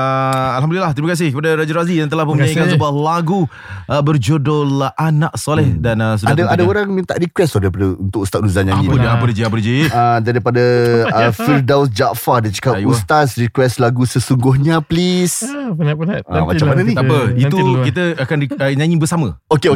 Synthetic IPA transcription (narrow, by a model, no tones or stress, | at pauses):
əalɦamdulilaht̪əɾimakas̬ɪhkəpadaɾad͡ʒaɾazijaŋt̪̬əlahpunmə̃ɲãɲĩkansəbuahlaɡu | ʔəbərd͡ʒodolʔanãʔsolɛhdanəs̬əaadaadaoɾaŋmĩnt̪a̰ʔɾikwɛstɔdaɾipadaunt̪ʊkust̪at̪̚luzanɲãɲĩpudaapədəd͡ʒiapəɾd͡ʒiədaɾipadaəfərdawsd͡ʒaʔfadat͡ʃə̥kajust̪asɾikwɛslaɡusəsuŋɡʊɦɲaplis | amat͡ʃammananit̪apəiukit̪̬əakandiɲãɲibərsamə̃okeo